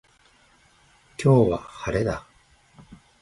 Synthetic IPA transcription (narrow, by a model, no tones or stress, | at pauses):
kʲʰo̞ːβa̰haɾe̞d̪a